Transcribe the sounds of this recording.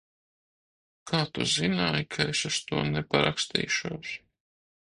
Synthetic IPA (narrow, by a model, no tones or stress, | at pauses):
kʰaːt̪ṵzinaːjkʰaesust̪uɔnɛpaɾa̰kst̪ḭːʃuɔs